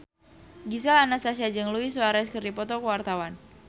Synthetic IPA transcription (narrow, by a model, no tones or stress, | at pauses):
ɡis̬alanast̪as̬ad͡ʒəŋluiswaɾaɛskərdipɔt̪ɔkəwart̪awan